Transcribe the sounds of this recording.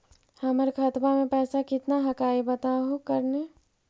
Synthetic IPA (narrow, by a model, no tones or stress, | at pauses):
həməɾkʰət̪bamẽpɛːsakɪt̪naɦəkaːibət̪aɦokəɾne